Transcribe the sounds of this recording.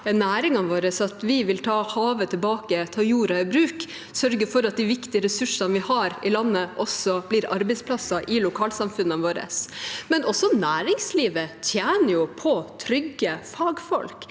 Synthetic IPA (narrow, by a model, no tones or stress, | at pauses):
ɛnːæːɾɪŋɑʋoːɾəsɑt̪ʋɪʋɪlt̪ʰɑːhɑːʋət̪ʰɪlbɑːkət̪ʰɑːjuːɾɑɪbɾʉːk | sœɾɡəɾfɔɾɑt̪̚d̪ɪʋɪkt̪ɪəɾɛsʉʂɑnʋɪhɑɾɪlɑnːəʔɔsːɔb̥lɪɾɑɾbɛɪsplɑsɑʔɪlʊkʰɑːlsɑmfʉnːɑʋoːɾə̰smɛnʔɔsːɔnæːɾɪŋsliːʋət̪ʰjæːnəɾjʊpʰɔt̪ʰɾʏɡːəfɑːɡfɔ̰lk